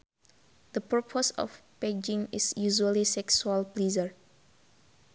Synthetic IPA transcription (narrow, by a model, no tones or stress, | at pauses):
d̪̥əpəpʰɔsɔ̰fped͡ʒĩŋɪsjuʒuəlisɛksuəlplizəɹ